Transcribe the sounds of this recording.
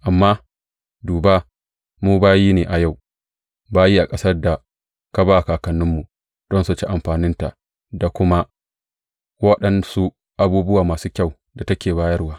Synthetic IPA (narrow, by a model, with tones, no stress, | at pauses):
ʔa˨mːaː˦ | duː˨baː˦ | muː˦baː˦jiː˦neː˨ʔa˨ja˦˨w | baː˦jiː˦ʔa˨kʼɐ˦sɐ˦rda˨ | ka˦baː˦ʔa˨kaː˨kɐ˨nːɪ˦mːu˨ | d̥ɔ˦nsu˨t͡ʃi˦ʔa˨mɸaː˨nɪ˦nta˨ | da˨kʷʊ˦ma˦ | wɐ˦ɗɐ˨nsu˦ | ʔa˨buː˦bʊ˦waː˨maː˨suː˦kʲa˦˨w | da˨tɐ˦kʲeː˨baː˦jɐ˦rwaː˦